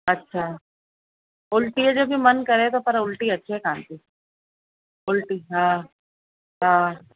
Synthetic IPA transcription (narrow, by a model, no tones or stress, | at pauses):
ɐtːʃʰa | ʊlʈiɦɛd͡ʒobʱimɐnkɐɾẽt̪opʰɐɾʊlʈiɐtːʃʰeɦɛkãːnt̪i | ʊlʈiɦãː | ɦã